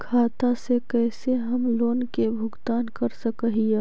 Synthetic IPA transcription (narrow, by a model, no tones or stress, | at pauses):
kʰaːt̪asekɛːseɦɐmloːnkebʱʊɡt̪aːnkɐɾsəkəɦie